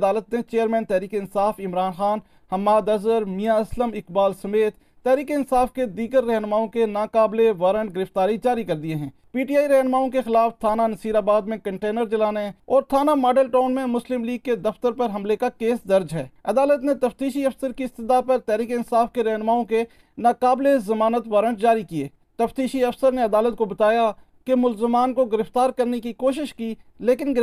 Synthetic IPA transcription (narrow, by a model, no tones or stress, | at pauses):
d̪aːlət̪net͡ʃeːəɾmɛ̃ːnt̪ɛːɾiːkeɪnsaːfɪmɾaːnxaːn | hɐmːaːd̪ɐzəɾmijaɐsləmɪkbaːlsɐmeːt̪ːɛːɾiːkeɪnsaːfked̪iːɡəɾːɛɦnmaːõkenaːkaːbleʋaːɾə̃ɳʈ̚ɡɪɾɪft̪aːɾid͡ʒaːɾikɐɾd̪ieɦɛ̃ː | piːʈijaːiɾɛɦnmaːõkexɪlaːft̪ʰaːnanɐsiːɾaːbaːd̪mẽkɐ̃ɳʈeːnəɾd͡ʒɐlaːneɛ̃ɔːɾt̪ʰaːnamaːɖəlʈaːnmẽmʊslɪmliːɡ̚ked̪ɐft̪əɾpɐɾɦɐmlekakeːsd̪ɐɾd͡ʒɦɛːɐd̪aːlət̪net̪ɐft̪iːʃiɐfsəɾkiɪst̪ɪd̪apɐɾt̪ɛːɾiːkeɪnsaːfkeɾɐɦnmaːõke | naːkaːblezɐmaːnət̪ʋaːɾə̃ɳʈd͡ʒaːɾikieː | t̪ɐft̪iːʃiɐfsəɾneɐd̪aːlət̪̚kobɐt̪aːja | kemʊlzɪmaːnkoɡɪɾɪft̪aːɾkɐɾnekikoːʃɪʃkiːleːkɪn